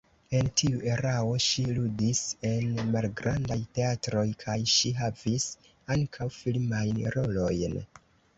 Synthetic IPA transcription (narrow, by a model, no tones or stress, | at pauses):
e̞ntʰiuʔe̞ɾao̞ʃiludise̞nmalɡɾandajte̞atɾo̞jkʰajʃiɦavis | aŋkʰawfilmajnɾo̞lo̞jn